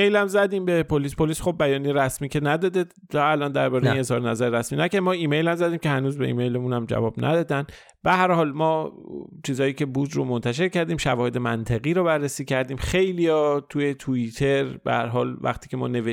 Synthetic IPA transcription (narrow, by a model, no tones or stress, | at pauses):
ejlæmzæd̪iːmbe̞pʰoliːspʰoliːsxob̚bːæjɒːnijeɾæsmiːcʰenæd̪ɒːd̪e | ælɒːnd̪æɾbɒːɾeine̞zhɒːɾenæzæɾeɾæsmiːnæcæmɒːiːme̞jlæmzæd̪iːmcehænuːzbe̞ʔḭːme̞jlemunæmd͡ʒæ̰vɒːbnʔæ̰d̪ɒːd̪æn | b̥ehæɾhɒːlmɒːt͡ʃʰiːzɒːjiːcʰe̞buːd̪ɾomont̪ʰæʃe̞ɾcʰæɾd̪iːmʃævɒːhe̞d̪e̞mæ̰nt̪ʰeɣiːɾɔːbærːesiːcʰæɾd̪iːmxe̞jlijɒːt̪ʰuje̞t̪ʰuit̪ʰe̞ɾbḛhæ̰ɾɦɒːlvæ̰χt̪ʰiːcʰe̞mɒ̰ːne̞ve